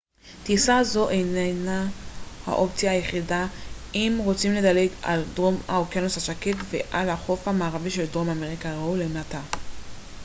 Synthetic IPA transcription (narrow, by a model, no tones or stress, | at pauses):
t̪isazo̞ʔejnenaha̰ʔo̞pt͡sjaːjeχidaimʁo̞t͡simle̞dale̞ɡa̰ldʁo̞mha̰okanoshaʃaketvḛʔalaχo̞fhamaːʁaviʃe̞ldʁo̞mameʁikaʁaulemata